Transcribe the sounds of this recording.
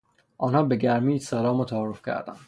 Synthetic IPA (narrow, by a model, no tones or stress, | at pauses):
ʔɒːnhɒːbe̞ɡæɾmiːd̪sælɒːmot̪ʰæːɾofcʲʰæ̰ɾd̪æ̰nd̪̥